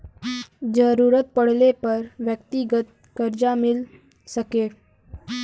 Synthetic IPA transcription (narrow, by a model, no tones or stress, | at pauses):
d͡ʑəɾuɾət̪̚pəɽ̤lepəɾʋjəkt̪iɡət̪̚ | kəɾd͡ʒamil | səkeɽ